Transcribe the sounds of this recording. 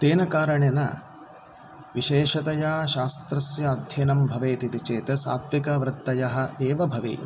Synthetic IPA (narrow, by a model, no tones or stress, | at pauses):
t̪eːnɐkaːɾɐɳenɐ̰ | ʋiʃeːʃɐt̪ɐjaːʃaːst̪ɾɐsjɐːd̪ʱjeːnɐmbʱɐʋeːt̪it̪it͡ʃeːt̪ɐsa̰ːt̪ʋikɐʋɾɐt̪ːɐjɐɦɐ̆eːʋɐbʱɐʋḭ